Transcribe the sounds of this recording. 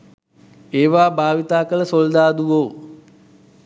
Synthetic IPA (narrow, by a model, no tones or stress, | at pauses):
eːʋaːbʱaːʋit̪aːkələsold̪aːd̪uʋoː